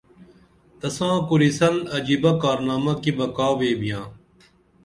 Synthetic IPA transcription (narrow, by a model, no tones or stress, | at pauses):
t̪ɐsãːkʊɾisɐlɐd͡ʒiːbakaːɾnaːmakibɐkaːʋeːbijãː